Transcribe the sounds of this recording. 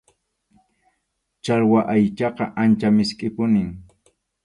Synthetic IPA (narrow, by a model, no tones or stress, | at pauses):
t͡ʃaɾwaʔajt͡ʃɑqɑʔant͡ʃamɪskʼɪpʊnɪŋ